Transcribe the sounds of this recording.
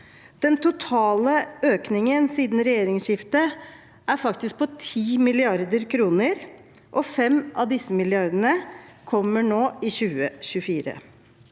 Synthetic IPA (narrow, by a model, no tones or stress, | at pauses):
d̪̥ɛnt̪ʊt̪ʰɑːləøːknɪŋənsiːd̪n̩ɾɛjeːɾɪŋʂɪft̪ə | ʔæɾfɑkt̪ɪsk̚pʰɔt̪ʰiːmɪlɪɑɾd̪əɾkʰɾuːnəɾ | ʔɔfɛmʔɑ̰ʋd̪ɪsːəmɪlɪɑɾd̪əɳəkʰɔmːəɳoːɪɕʉːəɕʉfiːɾə̰